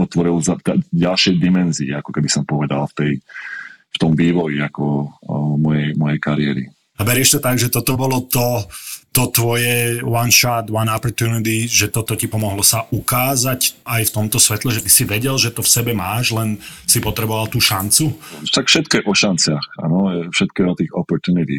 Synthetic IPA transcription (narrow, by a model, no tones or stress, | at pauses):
ɔt̪ʋɔɾilzad̪aɟalʃɪɛjd̪imɛnziɛakɔkɛbisɔmpɔʋɛd̪a̰lft̪ɛj | ft̪ɔmʋiːʋɔjiakɔ | mɔjɛjmɔjɛjkaɾɪɛɾḭ | abɛɾɪɛʃt̪ɔt̪aɡʒɛt̪ɔt̪ɔbɔlɔt̪ɔt̪ɔt̪ʋɔjɛwanʃat̪wanapɔɾt̪unit̪iʒɛt̪ɔt̪ɔcipɔmɔɦlɔsaʔukaːzacajft̪ɔmt̪ɔsʋɛt̪lɛʒɛt̪i̥siʋɛɟɛlʒɛt̪ɔfsɛbɛmaːʒlɛnsipɔt̪ɾɛbɔʋalˠt̪uːʃant͡sut̪akfʃɛt̪̚kɔjɛʔɔʃant͡sɪaxa̰nɔɛfʃɛt̪̚kɔɛɔt̪iːɣɔpɔɾt̪unit̪i